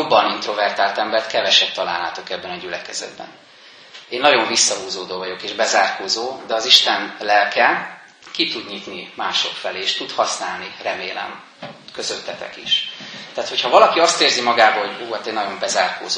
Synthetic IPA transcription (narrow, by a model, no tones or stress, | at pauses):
jobːɒnint̪ro̞vɛrt̪aːlt̪ɛmbɛrt̪kɛvɛʃɛt̚t̪ːɒla̰ːlːa̰ːt̪o̞kɛbːɛnɒɟylɛkɛ̰zɛ̰d̪̚bɛ̰n | eːnːɒɟo̞ɱvisːɒɦuːzoːd̪oːvɒɟo̞keːʒbɛzaːrkoːzoːd̪ɛɒziʃt̪ɛnlɛlkɛ | kit̪ud̪ɲit̪nimaːʃo̞̰kfɛleːʃt̪ut̪hɒsnaːlnirɛmeːlɛ̰m | kø̞zøt̪ːɛt̪ɛ̰kḭʃt̪aːt̪hochɒvɒlɒkiɒst̪eːrzimɒɡaːbɒɦo̞ɟuːɒt̪eːnɒɟo̞mbɛzaːrko̰ːzo